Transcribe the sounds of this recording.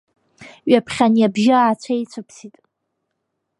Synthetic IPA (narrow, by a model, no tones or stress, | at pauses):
ɥapʰχʲanjabʒaaːt͡ɕʷʰajt͡sʷʰɨpʰsitʼ